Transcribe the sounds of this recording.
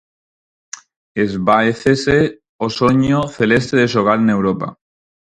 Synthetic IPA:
ezβaeθese | osoɲoθelest̪eðeʃoɣalene̞wɾopa̰

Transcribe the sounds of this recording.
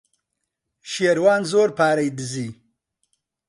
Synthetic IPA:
ʃeːɾwaːnzoːɾpaːɾɐjd̪ɨziː

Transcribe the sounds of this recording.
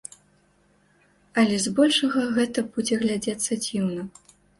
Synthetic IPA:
ɐlʲɛzbɔlʲʂɐɣɐɣɛt̪ɐbud͡zʲɛɣlʲad͡zʲat̪sːɐd͡zʲiwnɐ

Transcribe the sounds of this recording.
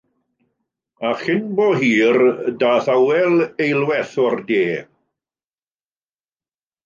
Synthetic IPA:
aχɪnboːɦiːrdaːθawɛlejlwɛθɔrdeː

